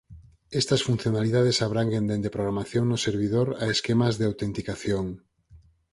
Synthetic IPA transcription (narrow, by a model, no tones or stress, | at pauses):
ɛst̪ɐsfun̟θjonaliðaðesaβɾaŋɡend̪end̪epɾoɣ̞ɾamaθjoŋnʊseɾβ̞iðoɾaeskemazðeawt̪ent̪ikaθjoŋ